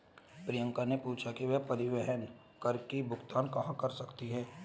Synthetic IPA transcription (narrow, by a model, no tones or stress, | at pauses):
pɾijə̃ŋkanepuːt͡ʃʰakiʋɛɦpɐɾɪʋɛɦən | kɐɾkibʱʊɡt̪aːnkɐɦãkɐɾsɐkt̪iɦɛː